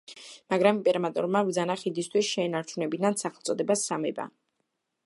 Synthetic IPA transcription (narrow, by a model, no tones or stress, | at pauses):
maɡɾamimpʼɛɾmat̪ʼɔ̰ɾmavd̪zanaχid̪ist̪ʰwisʃɛːnaɾt͡ʃʰunɛbinansaχlˠt̪sʼɔd̪ɛbasːamɛba̰